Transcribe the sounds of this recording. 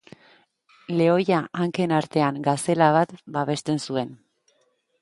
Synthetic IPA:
le̞o̞jaʔaŋke̞naɾt̪e̞aŋɡase̞laβ̞at̪baβe̞st̪e̞nsue̞n

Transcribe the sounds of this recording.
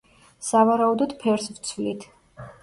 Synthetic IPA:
savaɾaud̪ɔd̪pʰɛɾsvt̪sʰvlit̪ʰ

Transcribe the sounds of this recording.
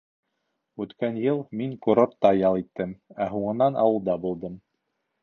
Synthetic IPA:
ʉt̪kænjɤlˠmiŋkuɾot̪ːɑjɑlˠit̪ːɘmæɦuɴɤ̆nɑnʔɑ̰wɤ̆lˠd̪ɑbulˠd̪ɤm

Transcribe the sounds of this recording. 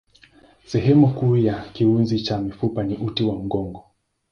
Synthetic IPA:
sɛɦɛmukuːjakiunzit͡ʃamifupaniʔutiwam̩ɡɔŋɡɔ

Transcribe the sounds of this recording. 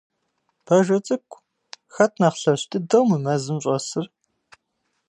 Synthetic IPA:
b̥ɐʒɐt͡sʼɨkʷʰʼ | xɐt̚ʰnaːχɬɐɕtʰɨdɐwmɨmɐzɨmɕʼɐsɨr

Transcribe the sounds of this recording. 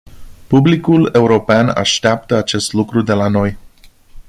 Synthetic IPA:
publikule̞uɾo̞peana̰ʃt̪eap̚t̪əat͡ʃe̞st̪lukɾud̪e̞lano̞j

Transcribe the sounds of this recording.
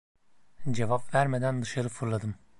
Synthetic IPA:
d͡ʒe̞vapvæɾme̞d̪ænd̪ɯʃaɾɯfɯɾlˠad̪ɯm

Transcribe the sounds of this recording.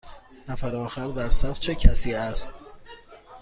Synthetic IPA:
næfæɾɒːxæɾd̪æɾsæft͡ʃʰecʰæsiːæst̪̚

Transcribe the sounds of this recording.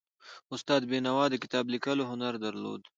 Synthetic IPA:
ʊst̪ɑːd̪benawɑːd̪əkɪ̥t̪ɑːblikəloɦʊnaɾd̪aɾlo̰ːd̪

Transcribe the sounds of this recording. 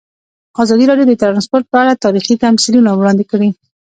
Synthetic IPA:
ɑzɑd̪iɾɑɖjod̪ət̪ɾɑnspoɾʈ̪̚pəaɽat̪ɑɾixik̪amsilunawɽɑnd̪ɪkəɽi

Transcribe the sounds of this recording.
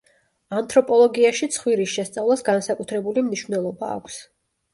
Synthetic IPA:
ant̪ʰʼɾɔpʼɔlˠɔɡiaʃit̪sʰχwiɾisʃɛst̪sʼavlˠasɡansakʼut̪ʰɾɛbulimniʃvnɛlˠɔba̰ːkʷʰs

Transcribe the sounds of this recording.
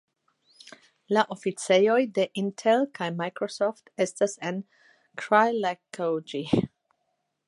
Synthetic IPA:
laʔofit͡sejojdeʔĩntʰɛlkʰajmajkɹosɔftestasãn | kʰɹajlakʰod͡ʒi

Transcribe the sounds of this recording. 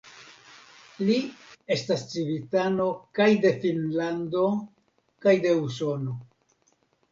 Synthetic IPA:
lie̞stast͡sivitano̞kajde̞finlando̞ | kajde̞us̬o̞no̞

